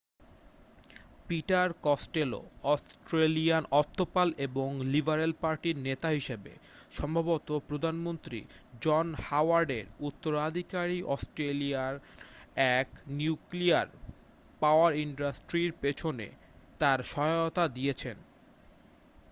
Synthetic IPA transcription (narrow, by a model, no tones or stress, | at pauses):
piʈaɾkɔsʈelo̰ɔsʈɾelianɔt̪ʰːopaleboŋlibʱaɾelpaɾʈiɾnet̪aɦiʃebḛ | ʃɔmbʱabot̪opɾod̪ʱanmont̪ɾḭd͡ʑɔnhawaɾɖeɾut̪ːoɾad̪ʱikaɾiʔɔsʈɾeliaɾɛknjukliaɾ | paoaɾiɳɖasʈɾiɾpet͡ɕʰonḛ | t̪aɾʃɔot̪ad̪iet͡ɕʰen